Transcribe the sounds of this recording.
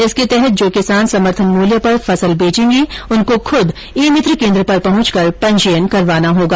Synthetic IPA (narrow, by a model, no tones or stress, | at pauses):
ɪsket̪ɛɦɛt̪̚d͡ʒoːkɪsaːnsɐməɾt̪ʰənmuːljəpɐɾfɐsəlbeːt͡ʃẽːŋɡiʊnkoxʰʊd̪ | eːmɪt̪ɾəkẽːnd̪ɾəpɐɾpɐɦʊ̃t͡ʃkɐɾpɐ̃ɲd͡ʒijənkɐɾʋaːnaɦoːɡaː